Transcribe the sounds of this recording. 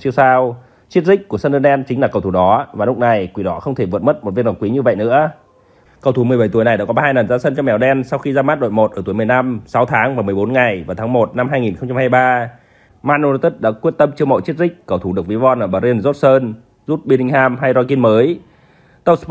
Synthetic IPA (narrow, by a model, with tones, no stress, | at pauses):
t͡ɕəsaː˧w | t͡ɕi˦˥ət̚zï˥k̟̚ku˧˩əsə˧nɨ˧nɗɛ˧nt͡ɕï˨˦ŋlaː˨˩kə˨˩wt̪ʰu˧˩ɗɔ˨˦vaː˨˩lʊ˦˥k̚na˨˩jkwi˨˦ɗɔ˨˦xə˧wŋ͡mt̪ʰe˧˩vɨ̰˨t̚mə˦˥t̚mo˨˩t̚vi˦˥na˨˩kwi˨˦ɲɨ˧və̰˧˨jnɨ̰˧˥ə | kə˨˩wt̪ʰu˧˩m˨˩jɓə˧˩j̪t̪jna˨˩jɗa̰ː˧˥kɔ˨˦˧aː˧jnə˨˩nzaː˧sə˧nka˦˥k̚mɛ˨˦wɗɛ˧nsa˧wxi˧zaː˧maː˦˥t̚ɗo̰˧˨jmo˨˩t̚ʔəː˧˩t̪u˨˦əjm˨˩ə˩jna˧msa˨˦wt̪ʰaː˨˦ŋvaː˨˩m˨əjɓo˨˦nŋa˨˩jvaː˨˩t̪ʰaː˨˦ŋmo˨˩t̚na˧mɦaː˧jŋi˨˩nxə˧wŋ͡mt͡ɕa˧mhaː˧jɓaː˧ | maː˧nʔo˧na˧t̪i˦˥t̚ɗa̰ː˧˥kwi˦˥ət̚t̪ə˧mt͡ɕɨ˧əmo̰˧˨t͡ɕi˦˥ət̚zï˦˥k̟̚kə˨˩wt̪ʰu˧˩ɗək̚vi˨˦vɔ˧nʔəː˧˩ɓaː˨˩ɾi˧ənzo˦˥t̚səː˧n | zu˦˥t̚ɓi˧nï˧ŋ̟ɦaː˧mɦa˧jzɔ˧ki˧nməː˨˦j | t̪ə˦˥sp